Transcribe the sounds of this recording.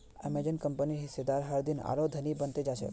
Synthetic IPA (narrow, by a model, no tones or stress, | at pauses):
ɛ̰med͡ʒənkəmpəniɦɪsːed̪aɾɦaɾd̪ina̰ɾod̪ʱənibənt̪ed͡ʒaʃʰḛ